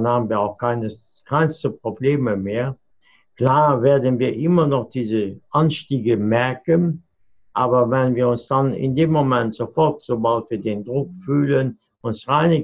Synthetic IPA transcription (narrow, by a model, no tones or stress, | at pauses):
nhaːbənviːɐaʊxkʰaɪnə | kʰaɪnstəpʁ̥obleːməmeːɐ | kl̥aːveːɐdənviːɐʔɪmɐnɔχd̥iːzəʔanʃtiːɡəmɛɐkən | ʔaːbɐvɛnviːɐʊnsd̥anɪ̰ndeːmːomɛntz̥ofɔʁtz̥oːbaltv̥iːɐdeːndʁʊkfyːlən | ʊnsʁaɪnɪ